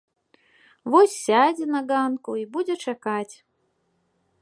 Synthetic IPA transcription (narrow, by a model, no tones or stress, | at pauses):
vɔsʲːad͡zʲɛnɐɡankuibud͡zʲɛt͡ʂakat͡sʲ